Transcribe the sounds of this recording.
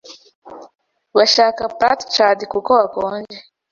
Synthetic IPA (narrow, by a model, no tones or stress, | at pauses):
βaʃaːkapɾatt͡ʃadikukoβakoːnd͡ʒe